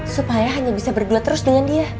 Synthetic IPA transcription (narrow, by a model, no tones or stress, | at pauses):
supajaɦaɲabisabərduat̪əɾʊsdəŋandia